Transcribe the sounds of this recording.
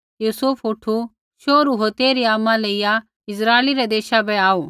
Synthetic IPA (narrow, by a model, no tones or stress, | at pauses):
juːsupʰuːʈʰu | ʃoːɾuɦoːt̪eːɾiaːmãleija | ɪsɾaːeliɾɛd̪eːʃabɛaːoː